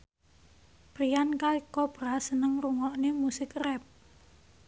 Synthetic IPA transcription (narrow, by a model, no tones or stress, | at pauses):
pɾijankalikɔb̥ɾasənəŋruŋɔʔnɪmusɪkrɛp̚